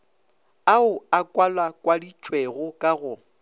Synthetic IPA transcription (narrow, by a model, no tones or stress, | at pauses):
aʊakʼwalwakʼwadit͡ʃʼweɣʊkʼaɣʊ